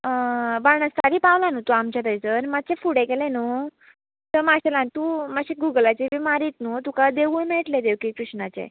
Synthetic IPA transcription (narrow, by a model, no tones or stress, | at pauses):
əʋaɳəst̪aɾipawlanut̪uamt͡ɕad̪əjt͡səɾmat̪̚t͡sefuɽẽkelẽnu | t̪əmaɕelãnt̪umaɕiɡuɡlat͡ɕebimaɾiːt̪not̪ukad̪eʋuːnmeʈled̪ewkikɾuɕɳat͡ɕḛ